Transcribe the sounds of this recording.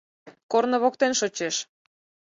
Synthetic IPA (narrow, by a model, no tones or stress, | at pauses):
kornə̆βok̚t̪enʃot͡ɕeʃ